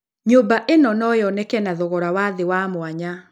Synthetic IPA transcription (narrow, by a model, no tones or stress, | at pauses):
ɲobaʔenɔnɔjɔnɛkɛnaðɔɣɔɾawaðewamwaɲa